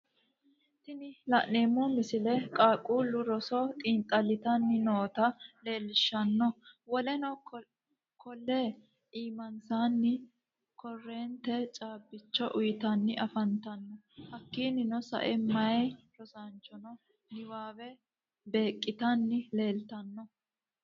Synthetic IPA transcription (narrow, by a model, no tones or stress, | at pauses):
t̪ɪnɪlɐʔeːmːɔmɪsɪlɛkʼaːkʼuːlːʊɾɔsɔt̪ʼiːnt̪ʼɐlːɪt̪ɐnːɪnoːt̪ɐle̞ːlɪʃːɐnːɔwɔlɛnɔ | kʰɔlːe | iːmɐnsaːnːɪ | kʰɔrːeːnt̪ɛt͡ʃʼaːbːɪt͡ʃːɔʔʊjɪt̪ɐnːɪɐfɐnt̪ɐnːɔ | hɐkːiːnɪnɔsɐ̰ʔɛmɐjɾɔsant͡ʃːɔnɔ | nɪwaːbɛ | be̞ːkʼːɪt̪ɐnːɪle̞ːlt̪ɐnːɔ